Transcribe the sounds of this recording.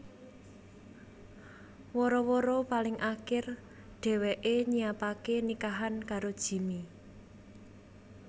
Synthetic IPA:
wɔɾɔwɔɾɔpalɪŋʔakɪr | ɖ̥ɛ̤weʔeɲiapakenikaɦankaɾod̥ʒ̥i̤mi

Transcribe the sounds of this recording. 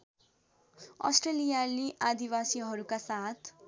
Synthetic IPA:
ʌ̰sʈrelijaliʔad̪iwasiɦʌɾukasat̪ʰ

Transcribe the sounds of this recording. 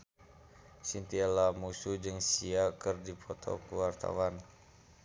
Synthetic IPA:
sint̪ialamusud͡ʒɨŋsiakɨrdipʰɔt̪ɔ̰kəwart̪a̰wan

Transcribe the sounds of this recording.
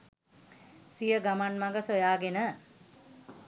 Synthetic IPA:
sijəɡamanmaŋɡəsojaːɡenə

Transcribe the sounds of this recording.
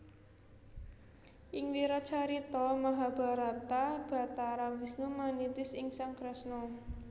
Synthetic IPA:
ʔɪŋwiɾat͡ʃaɾit̪ɔmaɦab̥a̤ɾat̪ab̥a̤t̪aɾawisnumanit̪ɪsɪŋsaŋkɾɛsnɔ

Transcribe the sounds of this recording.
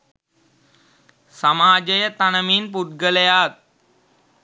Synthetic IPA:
sɐmaːd͡ʑəjət̪anəmiːnpuʈɡəljat̪̚

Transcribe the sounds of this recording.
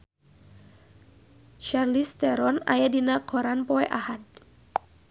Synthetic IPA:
t͡ʃarlist̪ɛɾɔna̰jadinakʰɔɾanpɔɛʔahad̪̚

